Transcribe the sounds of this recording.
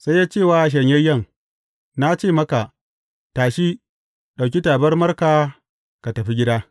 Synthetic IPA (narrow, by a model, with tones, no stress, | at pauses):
sa˦jːaː˦t͡ʃeː˦˨waː˨ʃ̬ɐ˨ɲjɐ˦jɐ˦˨ŋ | na˦t͡ʃeː˦˨mɐ˦ka˨ | taː˨ʃi˦ | ɗa˨wkʲi˦taː˨bɐ˦rmɐ˦rkaː˨ | ka˨tɐ˨ɸi˦ɡʲɪ˦daː˦